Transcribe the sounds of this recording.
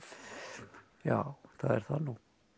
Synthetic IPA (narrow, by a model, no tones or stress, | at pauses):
jaːwθaðɛ̰ɾ̥θanu